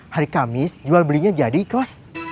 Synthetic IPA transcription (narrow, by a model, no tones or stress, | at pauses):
haɾikamɪsd͡ʒualbəliɲad͡ʒadikɔs